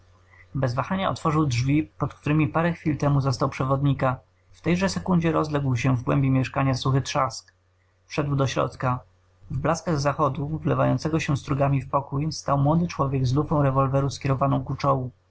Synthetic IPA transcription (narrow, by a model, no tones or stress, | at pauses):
bɛzvaxaɲaɔ̰t̪fɔʐɘwdʐvʲipɔt̪kt̪uɾɘmʲipaɾɛxfʲilt̪ɛmuzɔst̪awpʂɛvɔd̪ɲika | ft̪ɛjʐɛsɛkund͡ʑɛɾɔzlɛɡwɕɛvɡwɛ̰mbʲimʲjɛʂkaɲasuxɘt̪ʂask | fʂɛd̪wd̪ɔɕɾɔ̰t̪ka | vblaskaɣzaxɔd̪uvlɛvajɔnt̪sɛɡɔɕɛ̃st̪ɾuɡamʲifpɔkujst̪awmwɔd̪ɘt͡ʂwɔvʲjɛɡzlufɔ̃w̃ɾɛvɔlvɛɾuskʲjɛɾɔvanɔ̃w̃kut͡ʂɔwu